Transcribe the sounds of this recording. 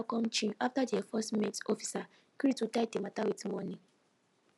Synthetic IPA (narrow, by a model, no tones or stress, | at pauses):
kɔ̃mt͡ʃĩaftadɛfɔstmɛtɔfi̥sa | kɾitudaɪdematawitmɔnĩŋ